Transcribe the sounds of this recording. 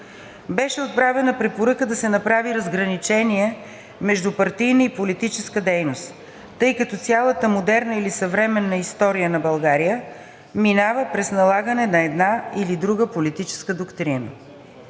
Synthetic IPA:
bɛʃɛot̪̚pɾavɛnəpɾɛpoɾəkəd̪ɐsɛnɐpɾaviɾɐzɡɾɐnit͡ʃɛniɛ | mɛʒd̪upɐɾt̪ijnəipolit̪it͡ʃɛskəd̪ɛjnost̪ː | ɤjkɐt̪ɔt̪sʲalˠət̪əmod̪ɛɾnəilisɐvɾɛmɛnːəist̪ɔɾijənɐbɐlˠɡaɾijə | minavəpɾɛsnɐlˠaɡənɛnɐɛd̪nailid̪ɾuɡəpolit̪it͡ʃɛ̥skəd̪okt̪ɾinə̰

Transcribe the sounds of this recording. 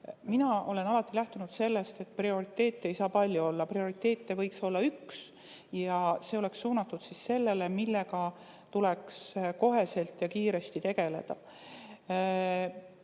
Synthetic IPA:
minɑʔo̞le̞nɑlɑt̪ːˑilæht̪unud̪̥se̞lːe̞st̪e̞t̪̚ːprio̞ɾit̪ːˑe̞ːt̪ːˑe̞jsɑːpɑlʲːjuo̞lːɑprio̞ɾit̪ːˑe̞ːt̪ːˑe̞vɤjkso̞lːɑyks | jɑse̞o̞le̞ksːuːnɑt̪ːˑud̪̥sisse̞lːe̞le̞milːeɡɑ | t̪ule̞ksko̞ɦe̞se̞lt̪ːˑjɑkiːɾe̞st̪it̪e̞ɡ̥e̞le̞̰d̪̥ɑ̰

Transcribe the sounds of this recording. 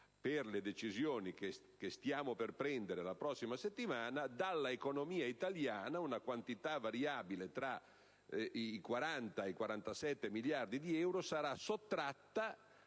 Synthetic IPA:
perled̪et͡ʃizjoːnike | kest̪jaːmoperpɾɛnd̪eɾelapɾɔsːimaset̪ːimaːnad̪alːaekonomiːait̪aljaːnaunakwant̪it̪avaɾjaːbilet̪ɾa | ikwaɾant̪aeikwaɾant̪asɛt̪ːemiljard̪id̪iɛwɾosaɾasot̪ːɾat̪ːa

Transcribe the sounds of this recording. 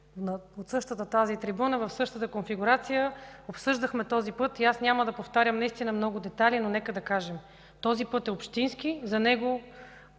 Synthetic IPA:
not̪sɤʃt̪ət̪ət̪azit̪ɾibunəvɐfsɤʃt̪ət̪əkonfiɡuɾat̪sijəopsɤʒd̪ɐxmɛt̪ɔzipɤt̪iasnʲaməd̪ɐpoft̪aɾʲjəmnɐist̪inəmnɔɡʊd̪ɛt̪alʲinonɛkəd̪ɐkaʒɛm | t̪ɔzipɤt̪ɛopʃt̪insk̟izɐnɛɡo

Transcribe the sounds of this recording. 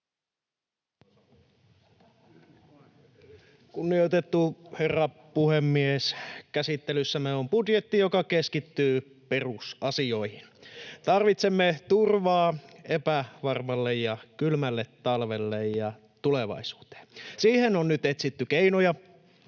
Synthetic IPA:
kunːijot̪et̪ːuherːɑ | puhemːieskæsit̪ːelysːæmeompudje̞t̪ːijokɑkeskit̪ːyː | perusɑsio̞ihint̪ɑrʋit̪semːet̪urʋɑːepæʋɑrmɑlːejjɑkylmælːet̪ːɑlʋelːejjɑ | t̪uleʋɑ̰isu̥ːt̪e̥ːnsiːhenonnyt̪et̪sit̪ːykeinojɑ

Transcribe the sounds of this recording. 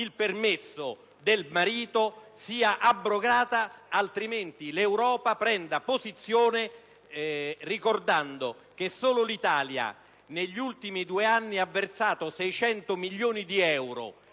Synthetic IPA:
ilpermesːo | d̪elmaɾiːt̪osiːaʔabːɾoɡaːt̪aalt̪ɾiment̪ilewɾɔːpapɾɛnd̪apozit̪sːjoːne | rikord̪and̪o | k̟esːoːlolit̪aːlja̰ | neʎːult̪imid̪uːeanːiavːert̪saːt̪osɛjt͡ʃɛnt̪omiʎːoːnid̪iɛwɾo̰

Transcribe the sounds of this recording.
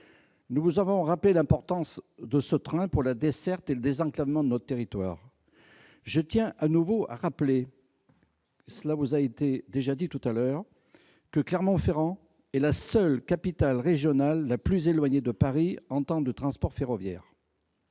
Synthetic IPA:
nuvuzavɔ̃ʁaplelɛ̃pɔʁt̪ɑ̃sd̪əsət̪χɛ̃puʁlad̪esɛʁt̪eləd̪ezɑ̃klavmɑ̃d̪ənɔt̪ət̪eʁit̪wa̰ːʁ | ʒət̪jɛ̃ʔanuvoʔa̰ʁaple | səlavuzaet̪ed̪eʒad̪it̪ut̪alœːʁ | kəklɛʁmɑ̃feʁɑ̃ | ɛlasœlkapit̪alʁeʒjɔnalːaplyzelwaɲed̪əpaʁiɑ̃t̪ɑ̃d̪ət̪χɑ̃spɔʁfeʁɔvjɛ̰ːʁ

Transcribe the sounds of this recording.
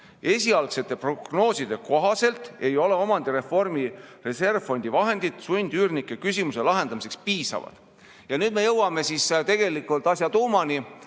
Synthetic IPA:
e̞sʲiɑlkse̞t̪ːˑe̞pro̞ɡ̥no̞ːsid̪̥e̞ko̞ɦɑse̞lt̪ˑe̞jo̞le̞o̞mɑnd̪̥iɾe̞fo̞rmire̞se̞rvfo̞nʲd̪ivɑɦe̞nd̪̥id̪̥sunʲd̪̥yːrnikːˑekysʲimuse̞lɑɦe̞nd̪̥ɑmis̬e̞kspiːsɑ̰vɑ̰d̪̥ | jɑnyːd̪̥me̞jɤwɑme̞sist̪e̞ɡ̥e̞likːˑult̪ˑɑsʲjɑt̪uːmɑni

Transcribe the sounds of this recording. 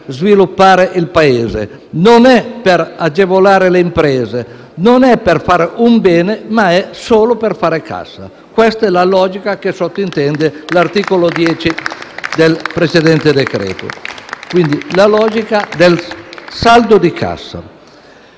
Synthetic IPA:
zvilupːaːɾeʔilpaeːzḛ | nonɛpeɾad͡ʒevolaːɾeleimpɾɛːze | nonɛperfaːɾeʔumbɛːnemaɛsoːloperfaːɾekʰa̰sːa̰ | kwɛst̪ɛlalɔːd͡ʒikakesot̪ːoint̪ɛnd̪elart̪iːkolod̪jɛːt͡ʃid̪elpɾet͡ʃed̪ɛnt̪ed̪ekɾɛ̰ːt̪o̰kwind̪ilalɔːd͡ʒikad̪elsald̪od̪ikʰa̰sːa̰

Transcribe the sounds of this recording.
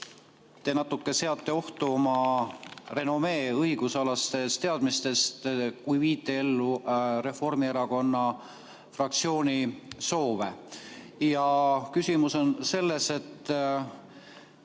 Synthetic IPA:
t̪e̞nɑt̪ːˑukːe̞se̞ɑt̪ˑːe̞o̞ht̪uo̞mɑ | re̞no̞me̞ːɤjɡ̥usɑlɑst̪e̞st̪eɑd̪̥mist̪e̞st̪kujviːt̪ːˑe̞e̞lːure̞fo̞rmieɾɑko̞nːɑ | frɑk̚t̪sio̞ːnʲiso̞ːve̞ | jɑkysʲimuso̞nse̞lːese̞t̪ː

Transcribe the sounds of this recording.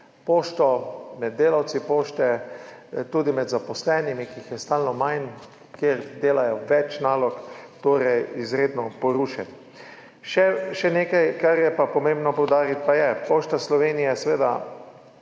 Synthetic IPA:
poːʃt̪ɔmɛd̪̚ːeːlawt̪sipoːʃt̪ɛ | t̪uːd̪imɛd̪zapɔslɛnimikiixjɛst̪aːlnɔmajn | kjeɾd̪eːlajɔʋɛt͡ʃnaːlɔkt̪oːɾɛjizɾeːd̪nɔpɔɾuːʃɛt̪ | ʃɛʃɛneːkajkaɾjɛpapɔmeːmbnɔpɔwd̪aːɾit̪̚pajɛpoːʃt̪aslɔʋeːnijɛsɛʋeːd̪a̰

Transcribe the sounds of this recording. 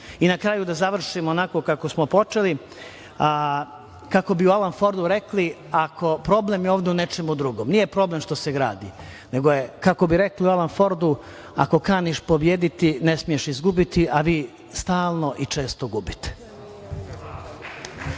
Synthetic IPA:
inakɾaːjud̪azaʋr̩ʃimoonako̞kakosmopo̞t͡ʂe̞li | kako̞biualanfo̞ɾd̪uɾe̞kli | akʰo̞pɾo̞ble̞mjeoːʋd̪eune̞t͡ʂe̞mud̪ɾuɡoːmnijepɾo̞ble̞mʃt̪o̞se̞ɡɾa̰ːd̪ḭ | ne̞ɡoje̞kako̞biɾe̞kliualanfo̞ɾd̪u | a̰ko̞kaːniʃpo̞bjeːd̪it̪inesmijeʃizɡubit̪iʔaʋiː | st̪aːlˠno̞ʔit͡ʂe̞ːst̪oɡubit̪e̥

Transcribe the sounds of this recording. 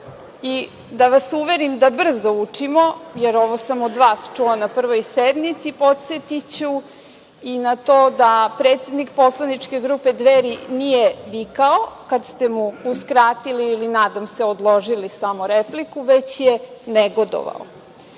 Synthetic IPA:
i | d̪aʋasuʋe̞ɾimd̪abr̩zout͡ʂimo̞jeɾoʋosamod̪ʋaːst͡ʂulanapr̩ʋojsed̪mit̪sipo̞t̪set̪it͡ɕu | inat̪oːd̪apɾe̞ːt̪sʲe̞d̪nik̚po̞slˠanit͡ʂke̞ɡɾuːpe̞d̪ʋeɾinijeʋikaokad̪st̪emuuskɾaːt̪iliːlinaːd̪amse̞od̪lˠo̞ʒilisamoɾeplikuʋe̞t͡ɕjeneɡo̞d̪o̰ʋa̰o̰

